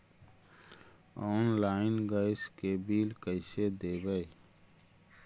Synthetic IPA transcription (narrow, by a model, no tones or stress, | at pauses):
ɔːnlaːɪnɡəɪskebiːlkəɪsed̪eːbəj